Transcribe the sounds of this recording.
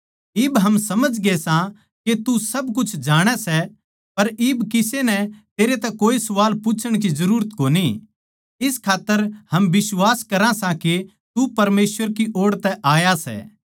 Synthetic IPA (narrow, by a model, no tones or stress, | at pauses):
ɪːbɦɐmsɐməd͡ʒɡesã | ket̪usɐbkʊt͡ʃʰd͡ʒaːɽ̃ɛsɛ | pɐɾɪːbkɪsenɛt̪eːɾet̪ɛkoːisʊʋaːlput͡ʃʰəɽ̃k̬izɐɾuːɾət̪koːni | ɪskʰaːt̪ːəɾhɐmbɪswaːskɐɾãsãke | t̪upɐɾmeːsʋəɾkiʔoːɽt̪ɛʔaːjasɛ̰ː